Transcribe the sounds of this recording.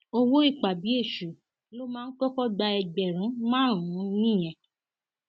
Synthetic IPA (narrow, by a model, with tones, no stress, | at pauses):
o˧wo˦i˦˨k͡pa˨bi˨˦e˦˨ʃu˨ | lo˦mãː˦˧n̩˦kɔ˦kɔ˦ɡ͡ba˧ɛ˧ɡ͡bɛ˨ɾ̃ũ˨˦mãː˦ɾ̃ũ˨˦nĩ˦˨j̃ɛ̃˧˨